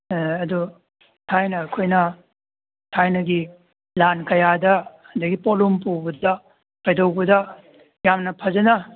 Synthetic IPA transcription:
ɐdu | tʰajnɐːkʰojnɐ | tʰajnɐɡi | lankɐjadɐ | ɐnd̪ɐɡipolumpubɐdɐ | kɐjdowbɐdɐ | jamnɐpʰɐzɐnɐ

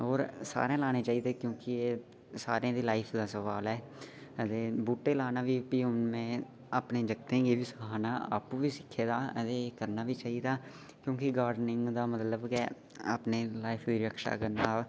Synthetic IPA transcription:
oːɾsa̰ːɾẽːlaːneːt͡ʃaːiːd̪eːkjõːkɪeː | sa̰ːɾjãːd̪iːlaːɪpʰd̪aːsəʋaːlɛː | ət̪eːbuːʈeːlaːnaːʋiːpiːʊnmẽː | aːpneːd͡ʒəkt̪ẽːɡiːʋiːsəkaːnaːa̰ːpuʋiːsɪkʰːeːd̪aːət̪eːkəɾnaːʋiːt͡ʃaːiːd̪aː | kjõːkɪɡaːɾɖnɪ̃ŋɡd̪aːmət̪ləbke | a̰ːpneːlaːipʰʋiːɾəkʰʃa̰ːkəɾnaː

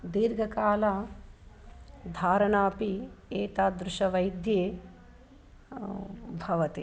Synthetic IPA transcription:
d̪iːɾɡʱɐkaːlaː | d̪ʱaːɾɐɳaːpieːt̪aːd̪ɾʊʃɐʋɐjd̪jeː | bʱɐʋɐt̪i

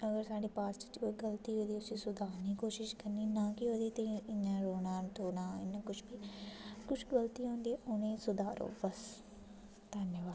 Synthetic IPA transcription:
əɡəɾsaːɖiːpaːst͡ʃoiɡəlt̪iːɦoːd̪iːʊsiːsʊd̪aːniːkoːʃɪʃkəɾniːnãːkɪɦoːd̪iːt̪ẽɪɲːãːɾoːnãːt̪oːnãːɪ̰nːãːkʊt͡ʃʰbiːkʊt͡ʃʰɡəlt̪iːɦõːnd̪ieʔonẽːsʊd̪aːɾo̰ːbəs | d̪̥ʱənjəʋaːd̪

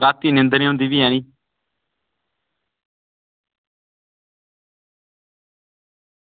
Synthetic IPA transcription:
ɾaːt̪ːiːnɪ̃nd̪əniːɦʊ̃nd̪iːʋiːɦɛːɽ̃iː

